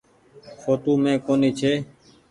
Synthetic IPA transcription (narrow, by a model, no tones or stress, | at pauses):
xoːt̪uːmẽːkoːniːt͡ʃʰeː